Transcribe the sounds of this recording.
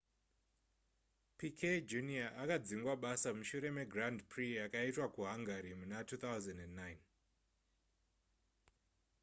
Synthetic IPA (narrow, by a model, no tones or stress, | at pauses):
pikʰed͡ʒuniaʔakad͡ziŋɡwaɓasamuʃuɾe̞me̞ɡrandprijakaitwakuɦaŋɡaɾimunatʰut̪awzandendːajn